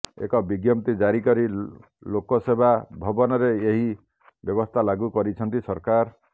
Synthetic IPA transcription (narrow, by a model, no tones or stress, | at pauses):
ḛkɔbiɡjɔmt̪id͡ʒaɾikɔɾi | lokɔsebʱabʱɔbɔnɔɾeeɦi | bjɔbɔst̪ʰalaɡukɔɾit͡ʃʰɔnt̪isɔɾkaɾ